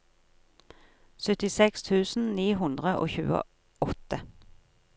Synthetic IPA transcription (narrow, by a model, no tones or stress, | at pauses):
sœt̪ɪsɛkst̪ʰʉːsn̩niːɦʉnd̪ʁəʔo̰ːçʉːə̰ | ɔt̪ə